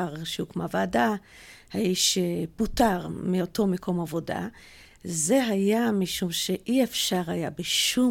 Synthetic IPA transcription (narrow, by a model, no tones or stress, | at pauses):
ʁʃeukmavaːda | haiʃebutaʁmioto̞mekʰo̞mavo̞da̰ | ze̞ɦajamiʃumʃeʔiefʃaʁhajabeʃu